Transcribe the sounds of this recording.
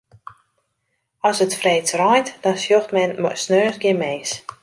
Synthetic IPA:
ɔsətfreːt͡srɔjntd̥ɔnsjoxtmɛnmɔsnøːsɡɪmeːs

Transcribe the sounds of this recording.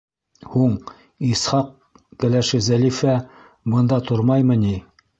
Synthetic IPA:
huɴ | ishɑq̚ | kælæʃɘzælifæ | bɤ̆nd̪ɑt̪ʰoɾmɑjmɤ̆ni

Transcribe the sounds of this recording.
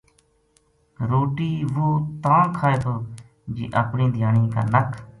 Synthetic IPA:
ɾoːʈiːʋoːt̪ãːkʰaːeːt̪ʰoː | d͡ʒḭːʔəpɳĩːd̪ʱɪjaːɳĩːka̰ːnəkʰ

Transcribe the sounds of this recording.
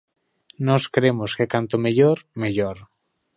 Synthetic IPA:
nɔskɾemoskekant̪omeʎoɾmeʎoɾ

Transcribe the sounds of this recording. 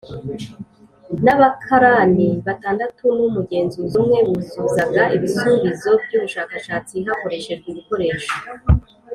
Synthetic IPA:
naβakʰaɾaniβataːndatunumuɡe̞ːnzuzumŋe̞βuzuzaɡaʔiβisuːmbizo̞bɟuːβuʃaːkaʃaːt͡siɦako̞ɾe̞ʃe̞ʒɡeβiko̞ɾe̞ːʃo̥

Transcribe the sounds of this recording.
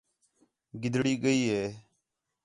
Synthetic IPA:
ɡɪd̪ʱɽiːɡəiːɦeː

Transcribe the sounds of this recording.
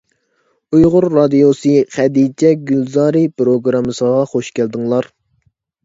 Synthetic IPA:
ujʁʊɾːɑd̪ijosɨχɛd̪id͡ʒɛɡʲylzɑːɾɨpɾoɡɾɑmɨsəʁɑχoʃkʲʰæld̪ɨŋlˠɑɾ

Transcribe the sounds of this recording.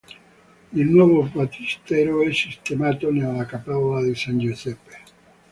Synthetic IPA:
ilnwɔːvofat͡ʃ̪ist̪ɛɾoɛsist̪emaːt̪onelːakapaolad̪isand͡ʒusɛpːe̥

